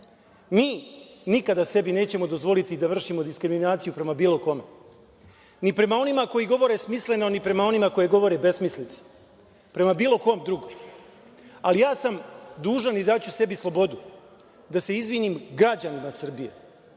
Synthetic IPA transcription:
miːnikad̪ase̞bine̞ːt͡ɕe̞mo̞d̪o̞zʋo̞lit̪id̪aʋr̩ʃimo̞d̪iskɾiminaːt̪sijupɾe̞mabiːlˠo̞ko̞me̞ | nipɾe̞mao̞nimako̞jiɡo̞ʋo̞ɾesmisle̞no̞nipɾe̞mao̞nimako̞jeɡo̞ʋo̞ɾebe̞smislit̪se̥ | pɾe̞mabiːlˠo̞ko̞ːmd̪ɾuɡom | alijaːsamd̪uːʒanid̪at͡ɕuse̞bislˠo̞bo̞d̪u | d̪ase̞izʋinimɡɾad͡ʑanimasr̩bije̞̰

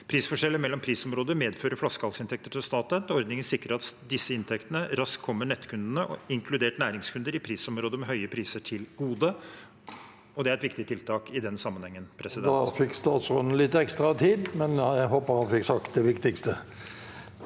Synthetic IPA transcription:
pʰɾiːsfɔʂɛlːəmɛlːɔmpʰɾiːsɔmɾoːd̪əmeːd̪føːɾəflɑskəɑlsɪnt̪ʰɛk̚t̪əʈʰɪlst̪ɑːt̪ənɔɾd̪nɪŋənsɪkɾəɾɑt̪d̪ɪsːəɪnt̪ʰɛkt̪ənəɾɑskkʰːɔmːəɳɛt̪ːkʰʉnd̪ənəʔɔ̰ɪŋkʰlʉd̪eːʈnæːɾɪŋskʰʉnd̪əɾɪpʰɾiːsɔmɾoːd̪əmɛɦœʏəpʰɾiːsəʈʰɪlɡuːd̪ə | ɔd̪ɛæɾɛt̪ʋɪkt̪ɪət̪ʰɪlt̪ʰɑːkɪd̪ɛnsɑmːənhɛŋːənpʰɾɛsɪd̪ɛɑfɪkːst̪ɑːt̪sɾɔd̪n̩lɪt̪ːɛkst̪ɾɑt̪ʰiːd̪mɛnæɦoːpəɾhɑnfɪksɑkt̪̚d̪ɛʋɪkt̪ɪkst̪ə

